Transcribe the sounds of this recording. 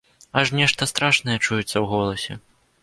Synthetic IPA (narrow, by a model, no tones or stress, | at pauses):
aʂnʲɛʂt̪ɐst̪ɾaʂnɐjɛt͡ʂujɛt̪sːɐwɣɔlˠɐsʲɛ̰